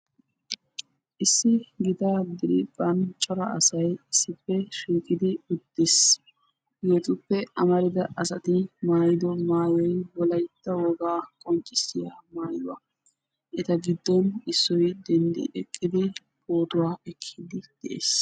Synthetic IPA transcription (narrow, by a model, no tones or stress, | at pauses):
ʔɪsːɪɡɪt̪aːd̪ɪɾɪbɐnt͡ʃʼːɔɾɐɐsɐjɪsːɪpːɛʃiːkʼɪd̪ɪʊd̪ːes | jɛt̪ʼʊpːɛʔɐmɐɾɪd̪ɐʔɐsɐt̪ɪmaːjɪd̪ɔmaːjɛjwɔlɐjt̪ːɐwɔɡaːkʼɔnt͡ʃʼɪsːɪjamaːjwɐ̰ | ʔɪt̪ɐɡɪd̪ːɔnɪsːɔjd̪ɛnd̪ɪ̰ʔɛkʼːɪd̪ɪ | boːt̪ʊwaːɛkʰːid̪ɪd̪̥ɛʔḛːs